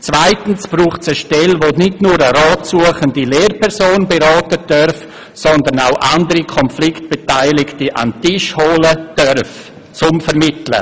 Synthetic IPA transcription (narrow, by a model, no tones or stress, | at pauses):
t͡sv̥aɪtn̩sb̥ɾuːχtt͡səʃtɛlvonɪdnuːɾəɾɑːtsuəχəndileːrpʰɛɾsoːnbeɾɑːtəd̥œɾf | sɔndənaʊʔandəɾikʰɔnflɪkt̚b̥etaɪlɪktiʔa̰ntɪʃholəd̥œɾf | t͡sʊmfɛɾmɪtlə̰